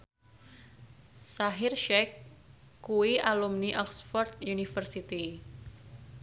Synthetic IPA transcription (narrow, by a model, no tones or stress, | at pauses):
saɦɪrʃɛkː | uwiʔalumniʔɔlsfɔrt̪̚junifərsit̪i